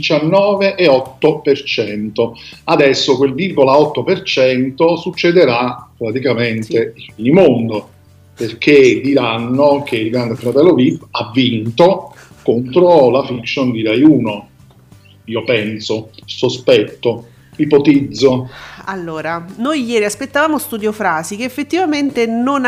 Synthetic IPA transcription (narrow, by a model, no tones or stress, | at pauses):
d̪it͡ʃanːɔːveʔːɔt̪ːopert͡ʃɛnt̪oad̪ɛsːokwelvirɡolaɔt̪ːopert͡ʃɛnt̪osut͡ʃːed̪eɾapɾat̪ikament̪eifinimond̪o | perk̟ed̪iɾanːok̟eilɡɾand̪efɾat̪ɛlːovibavːint̪o | kont̪ɾolafikʃond̪iɾajuːno | iːopɛnsosospɛt̪ːo | mipot̪id̪zːoalːoːɾanojjɛːɾiaspet̪ːavaːmost̪ud̪jofɾaːzik̟eːfːet̪ːivament̪enon